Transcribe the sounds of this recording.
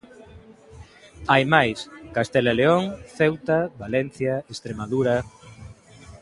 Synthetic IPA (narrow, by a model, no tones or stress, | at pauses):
ajmajskast̪elaleoŋθewt̪aβalɛn̟θjaest̪ɾemaðuɾa